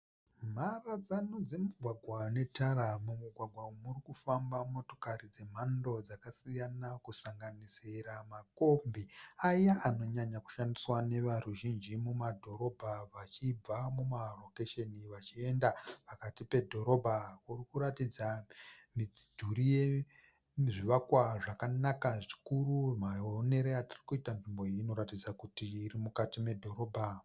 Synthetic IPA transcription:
m̤arad͡zanod͡ze̞muɡʱwaɡʱwane̞taɾamumuɡʱwaɡʱwaumurikufambamo̞to̞̥karid͡ze̞m̤ando̞d͡zakasijanakusaŋɡanisiramako̞mbiajaʔano̞ɲaɲaku̥ʃandiswane̞ʋaruʒind͡ʒimumadʱo̞ɾo̞bʱaʋat͡ʃib͡vamumalo̞keʃeniʋat͡ʃie̞ndapakatipe̞dʱo̞ɾo̞bʱakurikuɾatid͡zamid͡zidʱuɾije̞ | ʐiʋakwaʐakanakaʐikurumaone̞ɾeatirikuitanʐimbo̞iino̞ɾatid͡zakutiːrimukatime̞dʱo̞ɾo̞ːbʱa

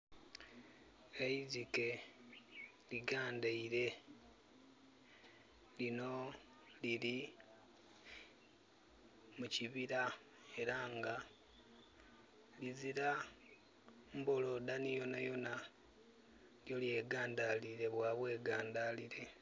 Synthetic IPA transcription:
laizike̞ | liɡaːndaiɾe̞ | lino̞ | lili | muciβiɾa | e̞ɾaŋɡa | liziɾa | mbo̞lo̞danijo̞najo̞na | ljo̞lje̞ːɡaːnd̪aliɾe̞βwaβwe̞ːɡaːnd̪aliɾe̞

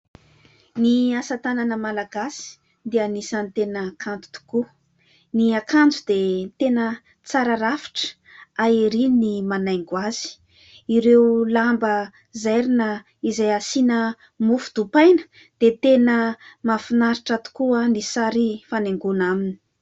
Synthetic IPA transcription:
niasat̪ananəmalaɡasi̥ | d̪ianisant̪enakʰand͡zu̥t̪u̥ku | niakand͡zud̪et̪enə | t͡saɾaɾafi̥ʈ͡ʂə̥ | aiɾinimanajŋɡwaz̥i̥ | iɾeulambə | zajɾinə | izajasinə | mufud̪upajnə̥ | d̪̥et̪enəmafinaɾiʈ͡ʂat̪u̥kuanisaɾifaneŋɡunamini̥i̥

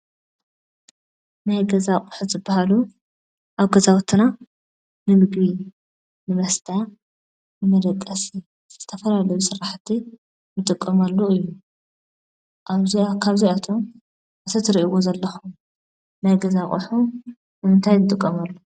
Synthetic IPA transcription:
najɡɐzakʼʊħuzɨbːahalu | ʔaβɡɐzawt̪ʰːɨna | nɨmɨɡbi | nɨmɐst̪ʰa | nɨmɐd̪ɐkʼːɐsi | z̥ɨ̥ɨt̪ʰɐfɐlalɐjusɨɾaħt̪ʰːi | nɨt̪ʼɨkʼːɐmalːoɨjːu | ʔakʰaβzijat̪ʰo̞m | ʔɨt̪ʰɐt̪ʰɨɾiʔiwozɐlːɐxum | najɡɐzakʼṵħu | nɨmɨnt̪ʰajnɨt̪ʼɨkʼːɐmɐlːo

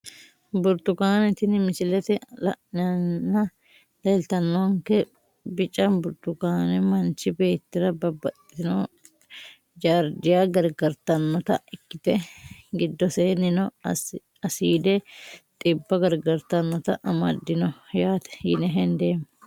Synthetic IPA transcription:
bʊɾt̪ʊkaːnɛt̪ɪnmɪsɪlɛt̪ɛlɐ̰ʔnɪɐnːɐ | leːlt̪ɐnːɔwɐŋkɛ | bɪt͡ʃʼɐmbʊɾt̪ʊkaːnɛmɐnt͡ʃːɪbe̞ːt̪ːɪɾɐbɐbɐt̪ːɪno | d͡ʒaːɾd̪ɪjaːɡɐɾɡɐɾt̪ɐnːɔt̪ɐ̰ɪkːɪt̪ɛɡɪd̪ːɔseːnɪnɔ | ɐsiːd̪ɛt̪ʼɪbːɐɡɐɾɡɐɾt̪ɐnːɔt̪ɐʔɐmɐ̰d̪ːɪnɔjaːt̪ɛ̥jɪ̰nɛɦɛnd̪e̞ːmː

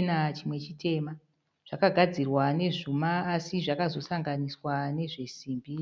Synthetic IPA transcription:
nat͡ʃimwe̞t͡ʃitʰe̞ːma | ʐ̥akaɡʱad͡zirwane̞ʐumaːsiʐakazo̞saŋɡaniswane̞ʐe̞siːmbi

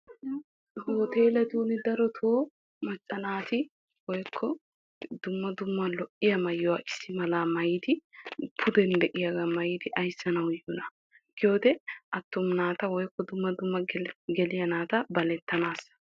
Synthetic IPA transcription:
hoːt̪eːlɐd̪uːnɪd̪ɐɾɔt̪ʰo | mɐt͡ʃʼːɐnaːt̪ɪ | wɔjkʰːɔ | d̪ʊmːɐd̪ʊmːɐlɔʔːɪjɐmɐjːɔwaːʔɪsːɪmɐlaːmɐjɪd̪ɪpʰʊd̪ɛnd̪ɛʔɪjaɡamɐjɪd̪ɪʔɐjsːɐnɐwjːɔnɐ | ɡ̥ɪjoːd̪ɛʔɐt̪ːʊmnaːt̪ɐwɔjkːɔd̪ʊmːɐd̪ʊmːɐɡɛlɪjɐnaːt̪ɐbɐlɛt̪ːɐnaːs

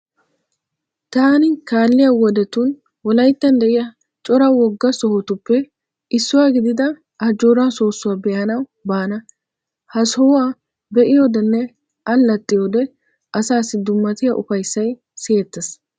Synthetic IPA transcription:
t̪aːnɪkaːlːɪjɐwɔd̪ɛt̪un | wɔlɐjt̪ːɐnd̪ɛʔɪjɐ | t͡ʃʼɔɾɐwɔɡːɐsɔhɔt̪ʊpːɛ | ʔɪsːʊwaːɡɪd̪ɪd̪ɐ | ʔɐd͡ʒoːɾaːso̞ːsːʊwaːbɛːɐnɐwbaːnɐ | hɐsɔaː | bɛʔɪjoːd̪ɛnːɛ | ʔɐnːɐt̪ʼːɪjoːd̪ɛ | ʔɐsaːsːɪd̪ʊmːɐt̪ɪjɐʔʊfɐjsːɐj | seːt̪ːɐs

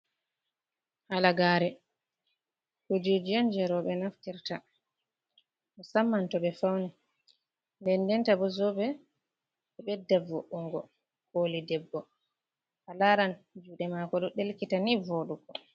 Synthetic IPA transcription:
halaɡaːɾɛ | kud͡ʒed͡ʒɛnd͡ʒɛɾɔɓɛnaftiɾta | mɔsamːantɔɓɛfawnɛ | ndɛnːdɛntabɔzɔbɛ | ɛɓɛdavɔʔuŋɡɔ̰ | kolidɛbːɔ | ʔalaɾand͡ʒuɗɛmakɔɗɔɗelkitanivoɗukɔ

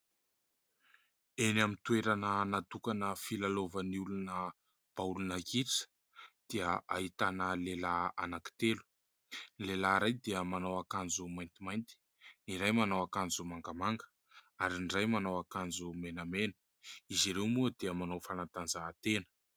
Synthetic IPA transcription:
enamint̪ueɾanənat̪ukanəfilalovəniulunə | b̥aulunakiʈ͡ʂə̥ | d̪̥iəaɦit̪anəlelaanaki̥t̪elu̥ | nilelaɾajd̪eəmanawakand͡zumajnt̪imajnt̪i̥ | niɾajmanawakand͡zumaŋɡamaŋɡə̥ | aɾinɖ͡ʐajmanawakand͡zumenəmenə̥ | iziɾewmuəd̪̥eəmanowfanant̪anzat̪enə̥

